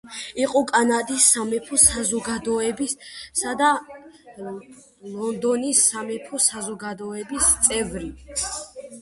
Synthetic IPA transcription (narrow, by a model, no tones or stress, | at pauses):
iqʼɔkʼanad̪isːamɛpʰɔsazɔɡad̪ɔɛbisad̪a | lɔnd̪ɔnisːamɛpʰɔsazɔɡad̪ɔɛbist̪sʼɛvɾi